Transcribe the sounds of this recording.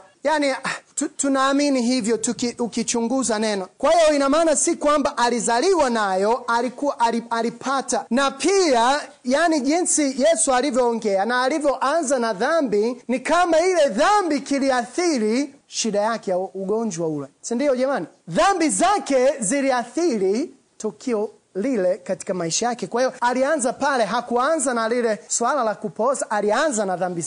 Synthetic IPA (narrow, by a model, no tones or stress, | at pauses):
janitutunaːminiɦivjɔtukiukit͡ʃuŋɡuzanɛnɔkwahijɔinamaːnasikwambaʔalizaliwanajɔalikuwaʔalialipʰatanapʰia | janiʄinsijɛsualivjɔːŋɡɛanaːlivjɔʔanzanaðambinikamailɛðambikiliaθiɾi | ʃiɗajakɛjauɡɔɲd͡ʒwaulɛsindiɔʄɛmani | ðambizakɛziliaθiɾi | tukʰiɔ | lilɛkati̥kamaiʃajakɛkwahijɔalianzapalɛɦakuanzanalilɛswalalakupɔsaʔalianzanaðambi